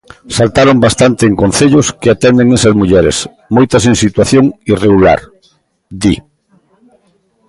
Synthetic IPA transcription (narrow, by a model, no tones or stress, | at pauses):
salt̪aɾombast̪ant̪ɪːŋkõn̟θeʎʊskeat̪ɛnd̪eŋesɐzmuʎɛɾḛs | mojt̪ɐsĩnsit̪waθjoŋireɣula̰ɾ | d̪i